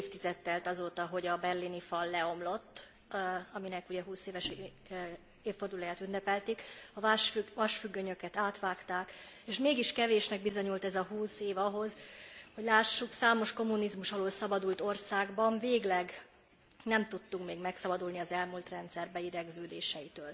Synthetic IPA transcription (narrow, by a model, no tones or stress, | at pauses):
ft̪izɛt̪ːɛlt̪ɒzoːt̪ɒɦo̞ɟɒbɛrlinifɒlːɛo̞mlo̞t̪ː | ɒminɛkuɟɛɦuːseːvɛʃ | eːfːo̞rd̪ulɒjaːt̪ynːɛpɛlt̪ikɒʃyʋɒʃfyɡːøɲø̞kɛt̪aːt̪ʋaːkt̪aːkeːʃmeːɡiʃkɛveːʃnɛɡ̚bizo̞ɲult̪ɛzɒɦuːseːvɒɦo̞zho̞ɟlaːʃːuksaːmo̞ʃko̞mːunizmuʃɒloːlsɒbɒd̪ult̪o̞rsaːɡbɒɱveːɡlɛɡ | nɛmt̪ut̪ːukmeːɡmɛksɒbɒd̪ulniɒzɛlmult̪rɛnt̪sɛrbɛid̪ɛɡzøːd̪eːʃɛjit̪øːl